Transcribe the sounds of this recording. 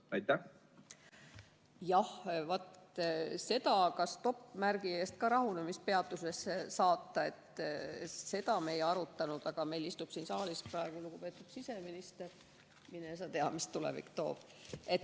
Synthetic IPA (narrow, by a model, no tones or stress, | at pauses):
ɑjt̪ːæ | jɑhvɑt̪ | se̞d̪̥ɑkɑst̪o̞pːmærɡ̥ie̞ːst̪̚kɑɾɑɦunemispe̞ɑt̪ːˑuse̞sesɑːt̪ːˑɑe̞t̪ | se̞d̪ɑme̞jɑɾut̪ˑːɑnud̪̥ɑɡ̥ɑme̞jlist̪ub̥siːnsɑːlisprɑe̞ɡ̥uluɡ̥upe̞ːt̪ːˑud̪̥sise̞minist̪e̞r | mines̬ɑt̪e̞ɑmist̪ulɛ̰vḭkːt̪o̞̰ːb̥ | e̞t̪